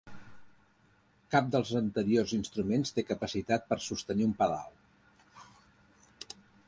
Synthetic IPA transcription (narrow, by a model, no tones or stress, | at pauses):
kap̚d̪əlˠzənt̪əɾiorzinst̪ɾumenst̪ekəpəsit̪at̪̚pəɾsust̪əniumpəða̰lˠ